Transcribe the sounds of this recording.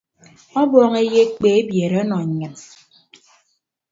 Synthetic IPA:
ɔ˦bɔː˦ŋe˦je˦k͡pe˨e˦bje˨ɾe˨ɔ˦nɔ˨ɲ˨ɲɨ˨n

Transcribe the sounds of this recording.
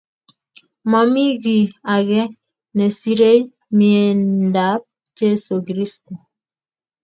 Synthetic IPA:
ma˨mi˦ɡi˨a˨ɡɛ˦ | nɛ˨si˦ɾe˦ | mi˨e˨nn˦da˨˦p̚ | d͡ʒe˦su˨kɾi˦stu˨

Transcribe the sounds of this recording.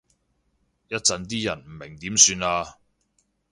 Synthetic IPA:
jɐ˥t̚t͡sɐ˨˧nt̪̬iː˥jɐ˨˩nm̩˨˩mɪ˨˩ŋt̪iː˨˥msyː˧naː˧

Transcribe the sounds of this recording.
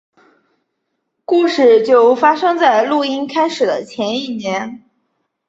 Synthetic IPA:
ku˥˧ʂɻ̩˥˩t͡ɕjo˥˩ʊfa˥ʂɤ˥ŋt͡sa˥˩˧ɪlu˥˩i˥nkʰa˥ɪʂɻ̩˨˩d̪ə˦t͡ɕʰjɛ˧˥ni˥˩njɛ˧˥n

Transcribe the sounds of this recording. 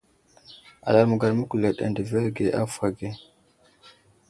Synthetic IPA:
a̰˨la˨ɾmu˨ɡa˨ɾmu˦ku˨la˨ɗa̰˨ndə˨ve˦ɾɡe˨ʔa̰˦fa˨ɡe˦

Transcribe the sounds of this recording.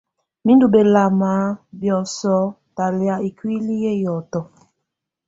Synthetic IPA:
mĩ˦ndu˨be˨la˨maː˨˦bjɔ˨sɔ˨˦ | ta˨li˨a˨i˨kwi˦li˦je˦jɔ˨tɔ˨

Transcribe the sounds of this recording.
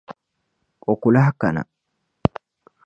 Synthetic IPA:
ʔʼɔ˨kːʊlahkːɐ˨nɐ̰˨

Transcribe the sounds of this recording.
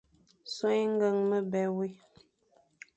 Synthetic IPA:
so˦jŋ̩˦ɡə˨ŋmə˦bɛ˨we˦

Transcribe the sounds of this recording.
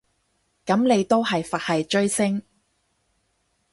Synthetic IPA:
kɐ˨˥mne˨˧jt̪o˥wɦɐ˨jfɐ˨t̚hɐ˨jt͡ʃɵ˥ɥsɪ˥ŋ

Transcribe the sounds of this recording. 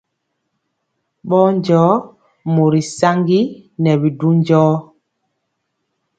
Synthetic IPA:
ɓɔ˦ɲd͡ʒɔː˦ | mo˨ɾi˨sa˦ŋɡi˦nɛ˨bi˨du˦ɲd͡ʒɔː˦

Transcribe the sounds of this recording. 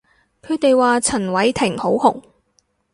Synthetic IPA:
kʰɵ˨˧ɥt̪e˨jwaː˨˧t͡sʰɐ˨˩nwɐ˨˥jt̪ʰɪ˨˩ŋho˨˥whʊ˨˩ŋ

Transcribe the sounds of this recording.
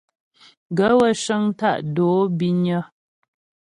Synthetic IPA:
ɡə˨˦wə˦ʃə˦ŋ˦ta̰˦˨ʔdoː˨˦bi˦ɲə˦

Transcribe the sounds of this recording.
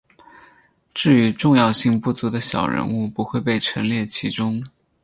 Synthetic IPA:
ʈ͡ʂɻ̩˥˩y˧˥ʈ͡ʂʊ˥˧ŋjɑ˥˧ʊɕi˥˧ŋpu˥˩t͡su˧˥d̪ə˧ɕjɑ̰˨˩ʊɻə̰˧˥nu˥˩pu˧˥xwe˥˧ɪpe˥˩ɪʈ͡ʂʰɤ˧˥ŋljɛ˥˩t͡ɕʰi˧˥ʈ͡ʂʊ˥ŋ

